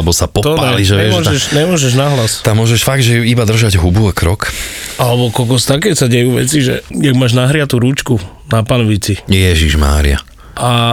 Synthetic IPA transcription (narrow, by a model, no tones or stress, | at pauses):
ɛbɔsapɔt̪ɔnaɛliʒɛɛmʊɔʒɛʃɲɛmʊɔʒɛʒnaɦlast̪amːʊɔʒɛʃfaɡ̚d̪ʒɛjuibad̪r̩ʒaɟɦubuakɾɔkalɛbɔkɔlkɔst̪akɛsaɟɛjuːʋɛ̰t͡siʒɛ̰jaɡmaːʒnaɦɾɪat̪uɾut͡ʃku | napanɔʋit͡sijɛʒiʒma̰ːɾḭa̰ | ʔa